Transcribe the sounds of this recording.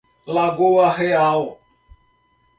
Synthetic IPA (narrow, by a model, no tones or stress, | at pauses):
laɡowaɦeao